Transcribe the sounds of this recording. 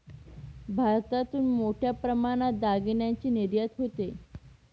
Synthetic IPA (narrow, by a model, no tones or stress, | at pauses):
bʱaɾt̪at̪uːnmoʈʰjapɾəmaɽ̃at̪̚d̪aɡiɳjaɲt͡ɕiːniɾjat̪ɦot̪e